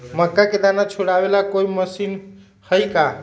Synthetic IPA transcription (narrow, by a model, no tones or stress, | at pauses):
məkːaked̪anat͡ʃʰuɽabelakoiməsin | həjka